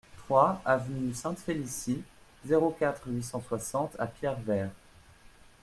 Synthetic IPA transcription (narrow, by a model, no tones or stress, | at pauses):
t̪χwaavnysɛ̃t̪felisi | zeʁokʲat̪χɥisɑ̃swasɑ̃t̪ʰa̰pjɛʁvɛːʁ